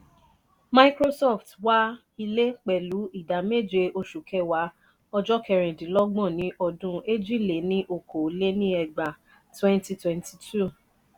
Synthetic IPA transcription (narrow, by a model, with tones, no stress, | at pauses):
ma˦i˦kɾo˦sɔ˦˨ftwa˦ | i˧le˦k͡pɛ˨lu˨˦i˦˨da˨˦me˦˨d͡ʒe˧o˧ʃu˨kʰɛ˧˦wa˨˦ | ɔ˧d͡ʒɔ˦kɛ˧˨ɾ̃ɛ̃˨dĩ˨˦lɔ˦ɡ͡bɔ̃˦˨nĩ˨˦ʔɔ˦˨dũ˧˦e˦d͡ʒi˦˨le˨nĩ˦ʔo˦˨kʰo˨˦le˦nĩ˦ɛ˧˨ɡ͡ba˨ | twɛ̃˦n˦ti˧twɛ̃˧nti˨tʰu˦˨